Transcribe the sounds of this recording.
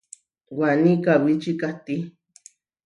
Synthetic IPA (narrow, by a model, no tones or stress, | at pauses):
wanikawit͡ʃikat̪i